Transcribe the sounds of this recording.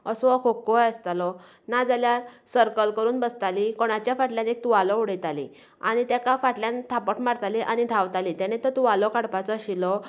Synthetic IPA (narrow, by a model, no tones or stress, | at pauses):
əsɔ̃akʰokːɔjəst̪alɔ | nad͡zaljasəɾkəlkəɾuːnbəst̪alikoɽ̃at͡ɕjafaʈljanek̚t̪uʋalɔuɽəjt̪alḭ̃ | aɽ̃it̪akafaʈljant̪ʰapəʈmaɾt̪aliʔaɽ̃id̪ʱaʋt̪alit̪añet̪ət̪uʋalɔkaɽpat͡sɔɕilɔ